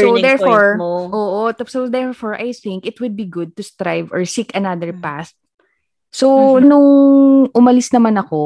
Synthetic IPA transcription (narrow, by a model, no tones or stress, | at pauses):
sod̪ɛɹfoɹʔoːʔot̪sod̪ɛɹfoɹʔajθɪŋkɪt̪wʊd̪̚biɡʊd̪̚t̪ʊst̪ɾajvɔɹsikɐnad̪əɹpast̪̚ | sonʊŋʔʊmɐlɪsnɐmanɐko